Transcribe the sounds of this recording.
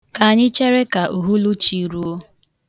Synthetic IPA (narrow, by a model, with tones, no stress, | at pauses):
ka˨a˨ɲɪ˦t͡ʃe˦ɾe˦ka˨ʔu˨ɦu˦lu˦t͡ʃi˨ɾu˦o˦